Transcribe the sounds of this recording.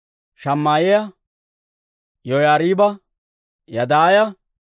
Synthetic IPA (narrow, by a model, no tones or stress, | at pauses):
ʃɐmːaːjɪjɐ | jɔjaːɾiːbɐ | jɐd̪aːjɐ